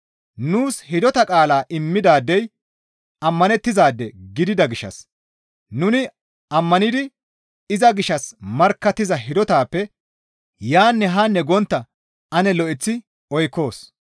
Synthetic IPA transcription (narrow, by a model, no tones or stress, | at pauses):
nuːshɪd̪ɔt̪ɐkʼaːlaːʔɪmːɪd̪aːd̪ːɛj | ɐmːɐnɛt̪ːɪzaːd̪ːɛɡɪd̪ɪd̪ɐɡɪʃːɐ̰s | nʊnɪ | ɐmːɐnɪd̪ɪ | ɪzɐɡɪʃːɐsmɐɾkːɐt̪ːɪzɐɦɪd̪ɔt̪aːpːɛ | jaːnːɛɦanːɛɡɔnt̪ːɐ | ɐnɛlɔʔɪt͡sːɪ | ɔjkːo̞ːs